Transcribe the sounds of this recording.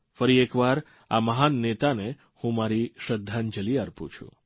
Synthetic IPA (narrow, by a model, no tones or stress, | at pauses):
fəɾiekʋaɾ | a̰məɦanːet̪ane | hũmaɾiʃɾəd̪ʱːand͡ʒəliaɾpṵ̃t͡ʃʰṵ̃